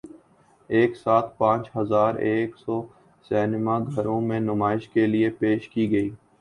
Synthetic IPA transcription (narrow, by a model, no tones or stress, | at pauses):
eːksaːt̪̚ʰpãːt͡ʃɦɐzaːɾeːksɔː | sɛːnɪmaɡʱɐɾõmẽnʊmaːɪʃkelɪepeːʃkiɡɐiː